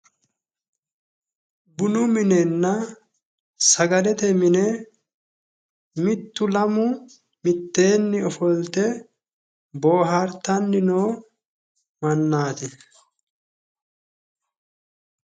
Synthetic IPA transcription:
bʊnʊmɪnɛnːɐ | sɐɡɐlɛt̪ɛmɪnɛ | mɪt̪ːʊlɐmʊ | mɪt̪ːe̞ːnːɪɔfɔlt̪ɛ | bo̞ːɦaɾt̪ɐnːɪnoː | mɐnːaːt̪ɪ

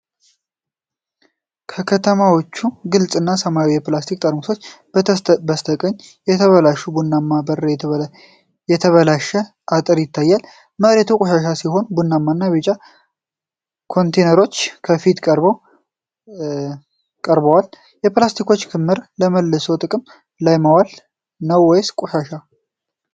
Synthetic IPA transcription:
kʰəkʰət̪ʰəmawo̞t͡ʃːuɡɨlsʼɨnːasəmajwjɛplast̪ʰik̚ʼt̪ʼəɾmuso̞t͡ʃː | bəst̪ʰəkʼəɲːjɛt̪ʰəβəlaʃubunːamːabər | jɛt̪ʰəβəlaʃə | ʔat̪ʼɨɾjɪt̪ʰːajːal | məɾet̪ʰukʼoʃaʃasiho̞nbunːamːanːaβet͡ʃʼa | kʰo̞nt̪ʰenəɾo̞t͡ʃːkʰəfit̪kʼəɾbəw | kʼəɾbəwal | jɛplast̪ʰiko̞t͡ʃːkʰɨmːɨɾləməlːəsowt̪ʼɨkʼɨm | lajməwal | nəwːɔjskʼoʃaʃa

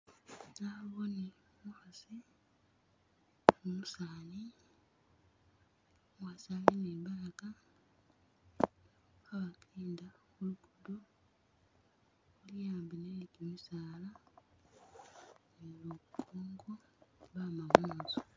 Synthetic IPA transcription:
naβone | muxasi | umusaːni | wasaleneβalaka | aβakeːnda | uluɡudo | ulijaːmbinelikimisaːla | nelukʰːoːŋɡoβamamuːnzo̥

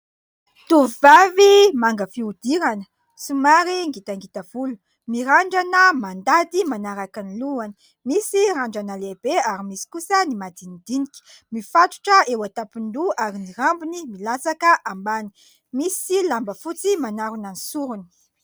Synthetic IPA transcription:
t̪uvivavimaŋɡəfiud̪̥iɾanə̥ | sumaɾiŋɡit̪aŋɡit̪av̥ulu | miɾaɳɖ͡ʐanəmand̪ad̪imanaɾakaniluani̥ | misiɾaɳɖ͡ʐanəleb̥eaɾimisi̥kusənimad̪inid̪inikʲi̥ | mifaʈ͡ʂu̥ʈ͡ʂəewat̪apund̪uaɾiniɾambunimilasakəʔambani̥ | misilambəfut͡simanaɾunanisuɾuni̥

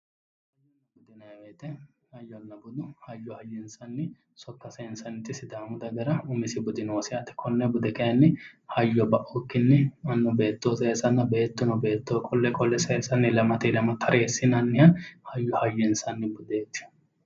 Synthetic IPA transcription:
bʊd̪ɪnɐjweːt̪ɛ | hɐjːɔnːɐbʊd̪ʊhɐjːɔhɐjːɔɪnsɐnːɪ | sɔkːɐsɐɪnsɐnːɪt̪ʼːɪsɪd̪aːmʊd̪ɐɡɐɾɐʊmɪsɪbʊd̪ɪnoːsɪɐt̪ːɛ̥kʰɔnːɛbʊd̪ɛkɐjɐnːɪhɐjːɔbɐʔɔkːɪnːɪɐnːɔbe̞ːt̪ːoːsɐɛsɐnːɐbe̞ːt̪ːʊnɔbe̞ːt̪ːoːkʼɔlːɛkʼɔlːɛsɐɛsɐnːɪlɐmɐt̪elɐmɐt̪ʰɐɾʔeːsːɪnɐnːɪjɐnhɐjːɔhɐjːɔɪnsɐnːɪbʊd̪eːt͡ʃːʊ̥

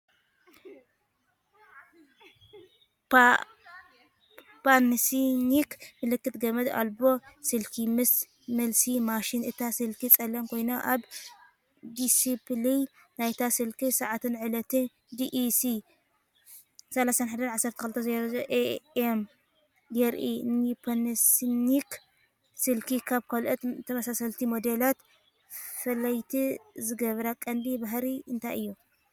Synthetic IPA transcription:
pʰansinikmɨlɨkːɨt̪ɡɐmɐd̪a̰lbo̞sɨlkʰimɨs | mɐlsimaʃinɨt̪ʰasɨlkʰit͡sʼɐlɐmkʰo̞jnoʔaβ | d̪isipli | najt̪ʰasɨlkisɐʕat̪ʰɨnʕɨlɐt̪ʰɨn | d̪iʔsi | sɐlasanħad̪ɐnʕasːɐɾt̪ʰɐkɨlɨt̪ʰːɐzɐɾzoʔeem | jɛɾʔḭnipʰɐnɐsnik | sɨlkʰikʰaβkʰalʔɐt̪t̪ʰːɐmɐsasɐlt̪ʰimod̪elat̪ | fɐlɐjt̪ʰizɨɡɐβɾakʼɐnd̪ibaɦɾiɨnt̪ʰajɨjːu

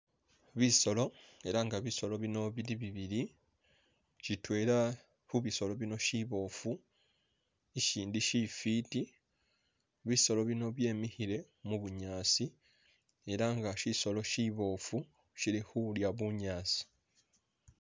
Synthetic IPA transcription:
βiso̞lo̞e̞ɾaŋɡaβiso̞lo̞βino̞βiɾiβiβiɾi | citwe̞ːɾa | huβiso̞lo̞βino̞ʃiβo̞ːfu | iʃiːndiʃifiti | βiso̞lo̞βino̞βje̞ːmihiɾe̞ | muβuɲaːsi | e̞ɾaŋɡaʃiso̞lo̞ʃiβo̞ːfu | ʃilihuljaβuɲaːsi̥

